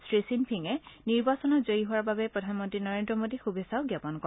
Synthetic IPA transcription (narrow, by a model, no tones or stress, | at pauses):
sɹesinpʰiŋɛniɹbasɔnɔtzoiɦuwaɹbabɛpɹɔdʱanmɔntɹinɔɹendɹɔmodixubesaʊɡjapɔnkɔ